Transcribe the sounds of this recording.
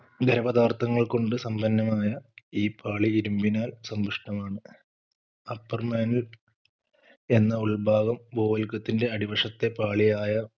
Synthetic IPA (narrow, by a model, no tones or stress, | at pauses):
ɡɐɾɐbɐd̪aːrt̪ʰɐŋːɐɭko̞ɳɖɨsɐmbʱɐnːɐmaːjɐiːpʰaːɭiːɾumbinaːlsɐmbuʂʈɐmaːɳɨ | ɐpːɐrmaːnil | e̞nːɐuɭbaːɣɐmbo̞ːʋɐlkːɐt̪ːinde̞ɐɽiʋɐʂɐt̪ːe̞paːɭijaːjɐ